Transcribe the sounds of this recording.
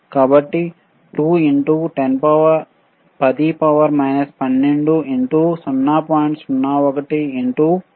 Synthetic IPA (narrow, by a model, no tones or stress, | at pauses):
kaːbɐʈːi | ʈuːiɳʈuʈenpɐʋɐɾ | pɐd̪ipɐʋɐɾmɐjnɐspɐnːeɳɖuiɳʈusunːaːpaːjiɳʈsunːaːɔkɐʈiiɳʈu